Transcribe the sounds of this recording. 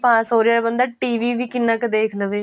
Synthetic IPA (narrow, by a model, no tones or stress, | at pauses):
pãːsoːɾeaːbə̃nd̪aʈiːʋiːʋikɪnːaked̪eːkʰnəʋeː